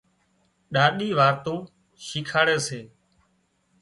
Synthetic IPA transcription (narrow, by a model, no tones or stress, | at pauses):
ɗaːɗiːʋaːɾt̪oː | ʃɪkʰaːɽeːseː